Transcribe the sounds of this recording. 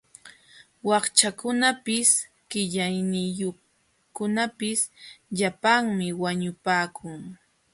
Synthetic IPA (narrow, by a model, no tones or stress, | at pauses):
wɑχt͡ʃakʊnapɪs | ɢ̥ɪʎajnɪjoχ | kʊnapɪsʎapaŋmɪwaɲʊpaːkʰʊŋ